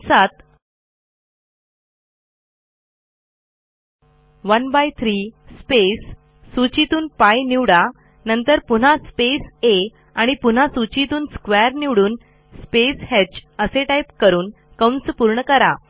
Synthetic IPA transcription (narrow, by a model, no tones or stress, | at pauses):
sat̪ | ʋənbajt̪ʰɾispesː | ut͡ɕit̪uːnpajniʋɽa | nənt̪əɾpun̤aspese | aɽ̃ipun̤asut͡ɕit̪uːnskʋɛɾniʋɽuːn | speshet͡ɕəseʈaipkəɾuːn | kəwnspuɾɳəkəɾa